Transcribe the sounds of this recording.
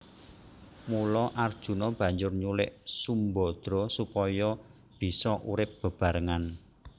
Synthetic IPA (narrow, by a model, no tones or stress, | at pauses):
mulɔʔard̥ʒ̥ṳnɔb̥ä̤ɲd͡ʒʊrɲulɪ̰ʔsumbɔd̪̥ɾɔ̤supɔjɔ | b̥i̤sɔʔuɾɪp̚b̥ə̤b̥a̤ɾəŋan